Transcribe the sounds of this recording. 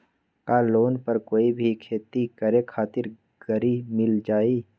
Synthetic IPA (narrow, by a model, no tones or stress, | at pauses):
kaːloːnpɐɾkoːibʱikʰeːt̪ikəɾekʰaːt̪ɪɾ | ɡ̥əɾimɪld͡ʒaːiː